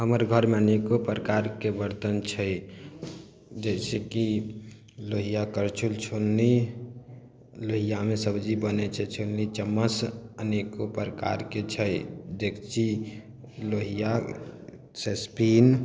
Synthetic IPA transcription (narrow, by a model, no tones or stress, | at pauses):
ɦəməɾɡʱəɾmeənekopɾəkaɾkebəɾt̪ənt͡ʃʰəj | d͡ʒɛɪseki | loɦijakəɾt͡ʃʰult͡ʃʰolːi | loɦijamesəbd͡ʒibənet͡ʃʰɛt͡ʃʰolːit͡ʃəmːəsənekopɾəka̰ɾket͡ʃʰəjd̪ekʰt͡ʃʰi | loɦija | sespin